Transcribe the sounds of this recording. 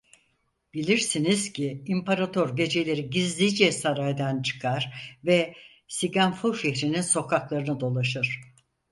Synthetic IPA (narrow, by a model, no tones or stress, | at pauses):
b̥ilʲiɾsiniz̥ciːmpʰaɾat̪ʰoɾɟe̞d͡ʒe̞lʲe̞ɾiɟizlʲid͡ʒɛsaɾajd̪ant͡ʃʰɯ̥kʰaɾ̥vɛ | siɡanfuʃɛçɾininso̞kʰaklˠaɾɯnɯd̪o̞lˠaʃɯɾ̥